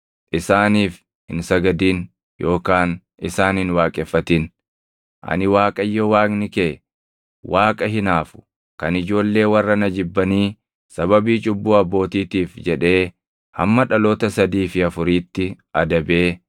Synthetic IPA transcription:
ʔɪsaːniːf | hɪ̰nsɐɡɐd̪iːn | jʔo̞ːkaːn | ɪsaːnhɪnwaːkʼɛfːɐt̪ɪn | ʔɐ̰nɪwaːkʼɐjːowaːknɪkeː | waːkʼɐɦɪnaːfʊ̥ | kɐnɪd͡ʒo̞ːlːe̞ːwɐrːɐnɐd͡ʒɪbːɐniː | sɐβɐbiːt͡ʃʼʊbːuːɐbːo̞ːt̪iːt̪iːfd͡ʒɛᶑe̞ː | hɐ̰mːɐᶑɐlo̞ːt̪ɐsɐd̪iːfɪɐfʊɾiːt̪ːɪʔɐd̪ɐbeː

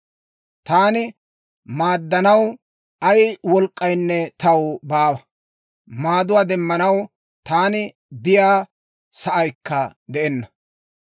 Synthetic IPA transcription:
t̪aːnɪ | maːd̪ːɐnɐw | ɐjwɔlkʼːɐjnːɛt̪ɐwbaːwɐ | maːd̪ʊwaːd̪ɛmːɐnɐw | t̪aːnɪ | bɪjaː | sɐʔɐjkːɐd̪ɛʔɛnːɐ

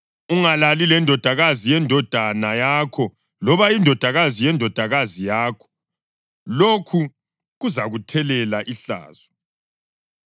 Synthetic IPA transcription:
uŋalalilɛndʱɔd̥ʱaɣazijɛndʱɔd̥ʱanajakʰɔ | lɔβaindʱɔd̥ʱaɣazijɛndʱɔd̥ʱaɣazijaːkʰɔ̥ | lokʰu | ɣuzaɣutʰɛlɛlaʔiɬa̰ːz̥ɔ

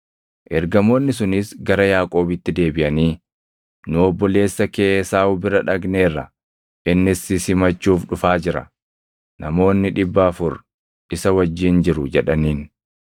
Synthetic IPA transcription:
ʔɛɾɡɐmo̞ːnːɪs̬ʊnɪsɡɐɾɐjaːkʼo̞ːbɪt̪ːɪd̪e̞ːbɪʔɐniː | nʊɔbːɔle̞ːsːɐke̞ːsaːʊbɪɾɐᶑɐɡne̞ːrːɐ | ʔɪnːɪsɪsɪmɐt͡ʃːuːfᶑʊfaːd͡ʒɪɾɐ̰ | nɐmo̞ːnːɪᶑɪbːɐːfʊɾ | ʔɪsɐwɐd͡ʒːiːnd͡ʒɪɾʊd͡ʒɛᶑɐniːn

